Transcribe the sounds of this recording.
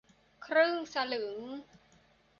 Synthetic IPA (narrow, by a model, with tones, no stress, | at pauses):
kʰɾɯ˥˩ŋsa˧lɯ˩˦ŋ